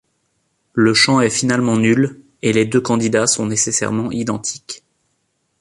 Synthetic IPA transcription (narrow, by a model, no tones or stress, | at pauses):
ləʃɑ̃ɛfinalmɑ̃nyl | eled̪økɑ̃d̪id̪asɔ̃nesesɛ̰ʁmɑ̃ʔid̪ɑ̃t̪ʰi̥k